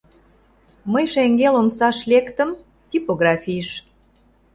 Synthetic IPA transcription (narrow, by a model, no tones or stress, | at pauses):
məjʃeŋɡelomsɑʃlekt̪ə̆m | t̪ʲipoɣrɑfʲiʃ